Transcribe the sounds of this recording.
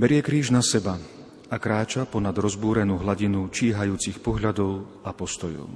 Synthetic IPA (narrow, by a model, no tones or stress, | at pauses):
bɛɾɪɛkɾiːʒnasɛba | akɾaːt͡ʃapɔnad̪ɾɔzbuːɾɛnuːɦlaɟinut͡ʃiːɦajuːt͡sixpɔɦʎad̪ɔʊ | apɔst̪ɔjɔ̰ʊ